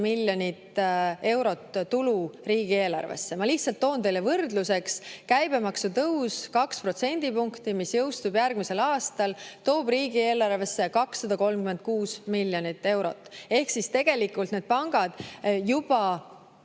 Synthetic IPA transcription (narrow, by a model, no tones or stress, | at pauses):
milʲjo̞nʲit̪e̞wɾo̞t̪ːt̪ːuluriːɡ̥ie̞ːlɑ̰rvḛsːe̞mɑlihtsɑlt̪ːo̞ːnt̪e̞jlːevɤrd̪luse̞kskæjb̥e̞mɑksut̪ɤwskɑkspro̞t̪se̞nʲd̪̥ipuŋkt̪imisjɤwst̪ubjærɡ̥mise̞lɑːst̪ɑlt̪o̞ːb̥riːɡie̞ːlɑrve̞sːe̞kɑksːɑd̪ɑko̞lmkymen̚kuːsmilːjo̞nʲit̪ːe̞wɾo̰t̪ːˑe̞hksist̪e̞ɡ̥e̞likːˑult̪ne̞d̪̚pɑŋɡ̥ɑd̪̥jub̥ɑ